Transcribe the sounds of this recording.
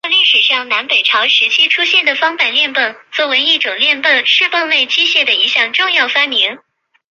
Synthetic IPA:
ɑ˥˧li˥˩ʂɻ̩˨˩ʂɑ˥˩ŋna˧˥npe˨˩ɪʈ͡ʂʰɑ˧˥ʊʂɻ̩˧˥t͡ɕʰi˥ʈ͡ʂʰu˥ɕjɛ˥˩nd̪ə˩fɑ˥ŋpa˥˩ɪljɛ˥˧npə˥˩nt͡swɔ˥˩we˧˥ɪi˥˩ʈ͡ʂʊ˨˩ŋljɛ˥˧npə˥˧nʂɻ̩˥˧fə˥˧ŋwe˥˩ɪt͡ɕi˥ɕjɛ˥˩d̪ə˩i˧˥ɕjɑ˥˩ŋʈ͡ʂʊ˥˧ŋjɑ˥˩ʊfa˥nmi˧˥ŋ

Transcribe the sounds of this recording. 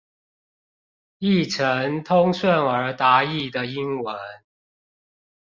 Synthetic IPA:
i˥˩ʈ͡ʂʰə˨˦ŋt̪ʰʊ˥ŋswə˥˩nə˞˨˥t̪a˨˥i˥˩d̪ə˩i˦nwə˨˦n

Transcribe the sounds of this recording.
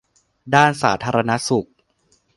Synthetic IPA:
daː˥˩nsa̰ː˩˦t̪ʰaː˧ɾa˧na˦˥su˨˩k̚

